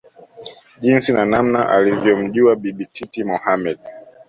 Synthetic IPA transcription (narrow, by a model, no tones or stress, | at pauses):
ʄinsinanam̩naʔa̰livjɔm̩ʄuaɓiɓitʰitimɔhamɛɗ